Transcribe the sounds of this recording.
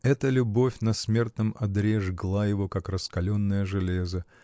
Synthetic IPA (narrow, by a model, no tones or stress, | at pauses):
ɛt̪əlʲʊbo̞fʲnɐsmʲe̞rt̪nɨmɐd̪ɾʲeʐɡlˠajɪvo̞kakrəskɐlʲonːəjəʐɨlʲe̞zə